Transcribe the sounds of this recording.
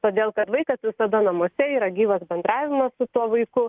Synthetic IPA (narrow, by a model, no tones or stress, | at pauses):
t̪oːd̪ʲeːlˠkɐt̪ʋɐɪkɐsʋʲɪsɐd̪ɐnɐmoɔsʲɛiːɾɐɡʲiːʋɐsbʲɛnd̪ɾɑːʋʲɪmɐssʊt̪uɔʋɐɪkʊ